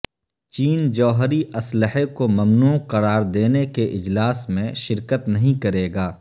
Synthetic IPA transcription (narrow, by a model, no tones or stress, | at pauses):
t͡ʃiːnd͡ʒɔːɦɾiʔɐsləɦekomɐmnuːqɐɾaːɾd̪eːnekeʔɪd͡ʒlaːsmẽʃɪɾkət̪nɐɦĩkɐɾeːɡaː